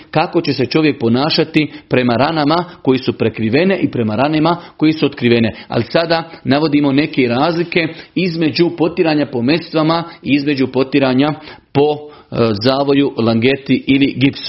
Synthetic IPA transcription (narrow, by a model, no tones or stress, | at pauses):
kako̞t͡ɕe̞se̞t͡ʃo̞ʋje̞k̚po̞naːʃat̪ipɾe̞maɾanamako̞jesupɾe̞kɾiʋe̞ne̞ʔipɾe̞maɾanemako̞jesuot̪kɾiʋe̞ne̞a̰lisad̪anaʋo̞d̪iːmo̞ne̞ke̞ɾaːzlike̞izme̞d͡ʑupo̞t̪iɾaːɲapo̞me̞st̪ʋamaiizme̞d͡ʑupo̞t̪iɾaːɲapo̞ | zaːʋo̞julaŋɡe̞t̪iiliɡipsu̥